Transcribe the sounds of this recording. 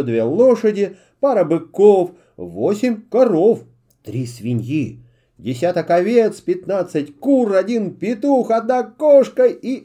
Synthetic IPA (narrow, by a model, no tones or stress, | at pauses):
od̪vʲelˠoʂədʲɪ | paɾəbɨkof | vosʲɪmʲkɐɾof | t̪ɾʲisvʲɪnʲji | dʲɪsʲat̪ɐkɐvʲet̪spʲɪt̪nat̪sɨtʲkurɐdʲinpʲɪt̪uxɐd̪̚nakoʂkəi